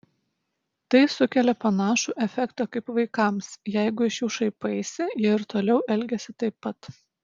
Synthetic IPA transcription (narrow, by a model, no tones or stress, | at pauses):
t̪ɐɪsʊkʲɛlʲɛpɐnɑːʃuːʔɛfʲɛkt̪ɐkɐɪpʋɐɪkɐˑmsjæɪɡʊɪʃjuːʃɐɪpɐɪsʲɪjiɛɪɾt̪oːlʲɛʊʔɛlʲɡʲɛsʲɪt̪ɐɪpːɐt̪